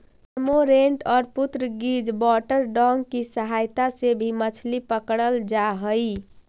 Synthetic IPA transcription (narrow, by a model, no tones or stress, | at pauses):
moɾeɳʈɔːɾput̪ɾəɡid͡ʒbɔʈəɾɖɔŋɡkisəɦajt̪asebʱimət͡ʃʰlipəkɽəld͡ʒaɦəj